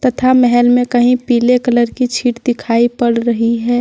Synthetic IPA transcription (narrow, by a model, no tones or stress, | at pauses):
t̪ɐt̪ʰamɛɦɛlmẽkɐɦĩpiːlekələɾkit͡ʃʰiːʈd̪ɪkʰaːipəɽɾəɦiɦɛː